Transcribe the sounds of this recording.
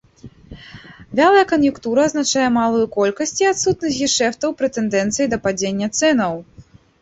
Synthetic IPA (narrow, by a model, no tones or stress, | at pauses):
vʲalˠɐjɐkɐnjukt̪uɾɐːznat͡ʂajɛmalˠujukɔlʲkɐsʲt͡sʲiat̪sut̪nɐsʲjiʂɛft̪ɐwpɾɨt̪ɛnd̪ɛnt̪sɨjid̪ɐpad͡zʲenʲːɐt̪sɛnɐw